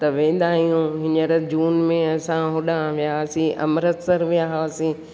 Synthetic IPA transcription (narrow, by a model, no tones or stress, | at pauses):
t̪ɐʋẽːn̆d̪aːɦijũɦɪɲəɾd͡ʑuːnmẽɐsãɦʊɗãʋijaɦsĩʔɐ̰mɾət̪sɐɾʋijaɦosĩ